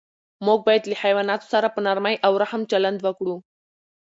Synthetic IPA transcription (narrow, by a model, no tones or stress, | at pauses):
moɡ̚bajt̪lihajʋanat̪u̥saɾapunaɾmajʔawɾaɦəmt͡ɕələnd̪ʋəkɽũ